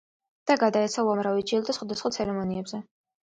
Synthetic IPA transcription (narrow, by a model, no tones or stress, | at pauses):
d̪̥aɡad̪aɛt̪sʰauamɾavid͡ʒilˠd̪asχwad̪asχwat̪sʰɛɾɛmɔniɛbzɛ